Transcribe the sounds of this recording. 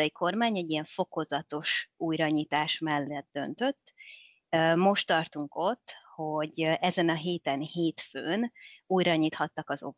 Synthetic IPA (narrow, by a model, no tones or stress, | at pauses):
ɒjikʰo̞rmaːɲɛɟːijɛɱfo̞ko̞zɒt̪o̞ʃuːjɾɒɲiːt̪aːʃmɛlːɛt̪̚d̪ø̞nt̪øt̪ː | mo̞ʃt̪ːɒrt̪uŋko̞t̪ːho̞ɟɛzɛnɒɦeːt̪ɛnheːt̪føːnuːjɾɒɲiːt̪hɒt̪ːɒkɒzo̞̰